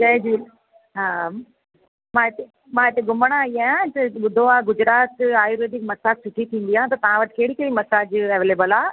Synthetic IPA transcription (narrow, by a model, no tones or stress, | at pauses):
t͡ɕɐ̃ɦd͡ʑiː | ɦaː | mãːɪt̪e | mãːɪt̪eɡʊməɽ̃aiaːjãt̪ɐɓʊd̪ʱoaːɡʊd͡ʑɾaːt̪aːjuɾeːd̪ɪkmɐsaːsʊʈʰit̪ʰĩːn̆d̪ijãt̪ɐt̪ɐʋ̤ãʋɐʈɪ̥̆keɦɽikeɽimɐsaːd͡ʑɐʋeːleːbəlaː